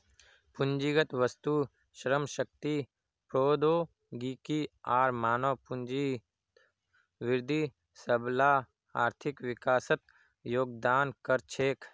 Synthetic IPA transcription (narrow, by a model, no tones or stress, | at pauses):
pʊɲd͡ʒiɡət̪ʋəst̪u | ʃɾəmʃək̚t̪iː | pɾoːd̪oː | ɡiːkiaːɾmaːnɐʋpʊɲd͡ʒi | ʋɪɾd̪ʱi | səblaː | aːɾt̪ʰɪkʋɪkaːsət̪̚ | joːɡ̚d̪aːnkɐɾt͡ʃʰeːk